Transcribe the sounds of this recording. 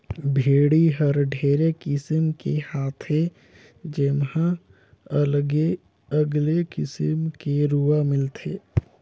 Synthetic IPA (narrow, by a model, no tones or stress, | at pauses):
bʱeːɽiɦəɾɖʱeːɾekɪsəmkehaːt̪ʰɦe | d͡ʒemɦã | əlɡe | əɡlekɪsəmkeɾuamɪlt̪ʰeː